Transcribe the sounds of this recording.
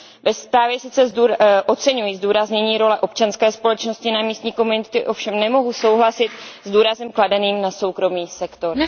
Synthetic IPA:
vɛst̪ɾaːvjɛsɪt͡sɛzuʔot͡sɛɲujizduːɾazɲɛɲiːɾo̞lɛʔo̞p̚t͡ʃanskɛːspo̞lɛt͡ʃno̞scɪnamiːst̪ɲiːko̞munɪt̪ɪʔo̞fʃɛmnɛmo̞ɦuso̞wɦlasɪt̪zduːɾazɛmkladɛniːmnaso̞wkɾo̞miːsɛkt̪o̞ɾ

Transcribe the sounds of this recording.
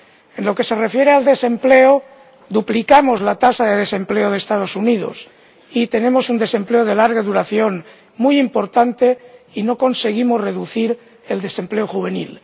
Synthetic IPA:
e̞nlo̞ke̞se̞re̞fje̞ɾeald̪e̞se̞mpleo | d̪uplikamo̞zlat̪asaðe̞ðe̞se̞mple̞oð̞est̪að̞o̞suniðo̞̰s | it̪e̞nẽ̞mo̞sund̪e̞se̞mple̞oð̞e̞laɾɣaðuɾaθjo̞ŋ | mujimpo̞ɾt̪ant̪e̞ino̞ko̞nse̞ɣ̞imo̞zre̞ðuθiɾ | e̞ld̪e̞se̞mple̞oxuβ̞e̞nḭl

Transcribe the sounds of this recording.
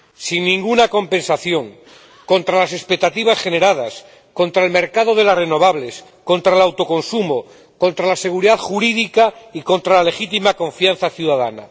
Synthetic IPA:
sinːĩŋɡunako̞mpẽ̞nsaθjo̞ŋ | ko̞nt̪ɾalase̞spe̞k̚t̪at̪iβasχe̞ne̞ɾað̞as | ko̞nt̪ɾaelme̞ɾkaðoðe̞lasre̞no̞β̞aβles | ko̞nt̪ɾaelawt̪o̞ko̞nsumo | ko̞nt̪ɾalase̞ɣ̞uɾiðaðxuɾiðikaiko̞nt̪ɾalale̞xit̪imakõ̞ɱfjanθaθjuðaðana̰

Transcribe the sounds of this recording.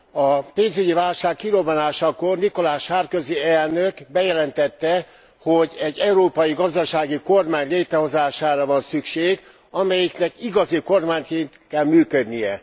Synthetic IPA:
ɒpeːnzyɟivaːlʃaːkːilobɔnaːʃɒkorniko̞laːʃhaːrkøziɛlnøkbɛjɛlɛnt̪ɛt̪ːɛ | hoɟɛɟːɛuɾoːpɒjiɡɒzd̪ɒʃaːɡiko̞rmaːɲleːt̪ɾɛɦo̞zaːʃaːɾɒvɒnsykʃeːɡ | ɒmɛjiknɛkiɡɒziko̞rmaːɲt̪keːnt̪kɛlmyːkød̪nijɛ

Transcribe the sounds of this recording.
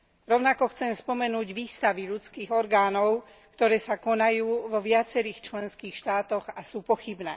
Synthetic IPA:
ɾɔʊnakɔxt͡sɛmspɔmɛnuːɟʋiːst̪aʋiʎut͡skiːɣɔɾɡaːnɔʊ | kt̪ɔɾɛːsakɔnajuːʋɔʋɪat͡sɛɾiːxt͡ʃlɛnskiːxʃt̪aːt̪ɔɣasuːpɔxibnɛ̰ː

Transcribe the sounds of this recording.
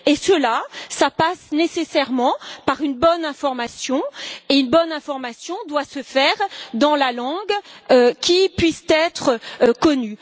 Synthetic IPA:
esəlasapasnesesɛʁmɑ̃paʁynbɔnɛ̃fɔʁmasjɔ̃eynbɔnɛ̃fɔʁmasjɔ̃d̪wasəfɛːʁd̪ɑ̃lalɑ̃ɡøkʲipɥist̪ɛt̪χəkɔny

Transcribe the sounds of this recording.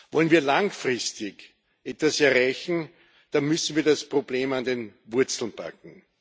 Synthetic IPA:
vɔlənviːɐlaŋfʁɪstɪk | ʔɛtvasɛɐʁaɪçn̩ | d̥anmʏsn̩viːɐdaspʁ̥obleːmandenvʊɐt͡sl̩npʰa̰kŋ̩

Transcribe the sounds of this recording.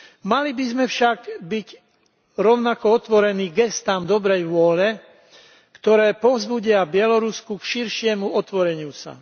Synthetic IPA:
malibizmɛfʃaɡbiɟ | ɾɔʊnakɔɔt̪ʋɔɾɛniːɡɛst̪amd̪ɔbɾɛjʋʊɔlɛ | kt̪ɔɾɛːpɔvzbuɟɪabɪɛlɔɾuskukʃiɾʃɪɛmuɔt̪ʋɔɾɛɲɪusa̰

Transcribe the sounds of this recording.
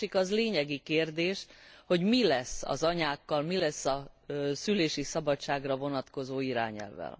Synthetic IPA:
ikɒzleːɲɛɡikeːrd̪eːʃho̞ɟmilɛsɒ̰zɒɲaːkːɒlmilɛsːɒsyleːʃisɒbɒt͡ʃːaːɡrɒvo̞nɒt̪ko̞zoːiɾa̰ːɲɛ̰lvɛ̰l

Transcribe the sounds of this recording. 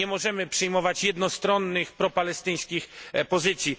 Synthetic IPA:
ɛmɔʐɛmɘpʂɨjmɔvat͡ɕjɛd̪nɔst̪ɾɔnːɘxpɾɔpalɛst̪ɘj̃skʲixpɔzɘt̪sʲji

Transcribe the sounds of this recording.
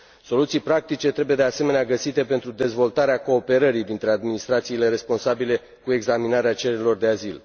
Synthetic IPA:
so̞lut̪sijpɾak̚t̪it͡ʃe̞t̪ɾe̞buje̞d̪e̞ase̞me̞neaɡəsit̪e̞pe̞nt̪ɾud̪e̞zvo̞lt̪aɾeako̞ːpe̞ɾəɾid̪int̪ɾe̞ad̪minist̪ɾat̪siːle̞ɾe̞spo̞nsabile̞ | kue̞ɡzaminaɾeat͡ʃeɾeɾʲilo̞rd̪e̞azil

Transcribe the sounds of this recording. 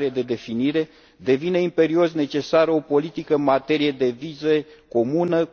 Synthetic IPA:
ɾied̪e̞d̪e̞finiɾe̞ | d̪e̞vine̞impe̞ɾio̞sne̞t͡ʃe̞saɾəo̞po̞lit̪ikəɨnmat̪e̞ɾije̞d̪e̞vizəko̞munə

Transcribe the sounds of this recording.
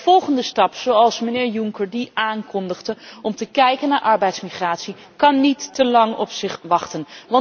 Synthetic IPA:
vɔlˠχəndəstɑpsowɑlˠsmənɪːɹjuŋkəɹdiʔaːŋkɔndəχdəɔmtəkɛjkənːaːɹʔɑɹbɛjtsmiχraːtsi | kɑnːitːəlɑŋɔ̰psɪχʋɑχtənʋɑ

